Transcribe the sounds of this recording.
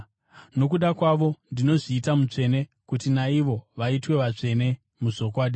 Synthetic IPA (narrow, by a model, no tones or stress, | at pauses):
no̞kuɗakwaʋo̞ndino̞ʐiːtamut͡ʂe̞ne̞ | kutinaiʋo̞ʋaitwe̞ʋat͡ʂe̞ne̞ | muʐo̞kwaːɗi